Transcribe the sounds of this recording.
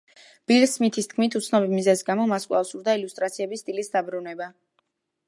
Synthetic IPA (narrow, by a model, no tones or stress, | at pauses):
b̥iɾsmit̪ʰist̪̚ʰkʰmit̪ʰut̪sʰnɔbimizɛzɡamɔmaskʼwla̰fsuɾd̪ailust̪ʼɾat̪sʰiɛbist̪ʼilisd̪abɾunɛba